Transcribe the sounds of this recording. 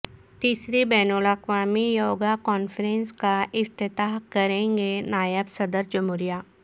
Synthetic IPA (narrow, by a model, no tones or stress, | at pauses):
t̪iːsɾibɛːnoləxʋaːmijoːɡakɔːnfəɾɛ̃nskaɪft̪ɪt̪aːɦkɐɾẽːŋɡenaːjəbsɐd̪əɾd͡ʒɐmʊɾijaː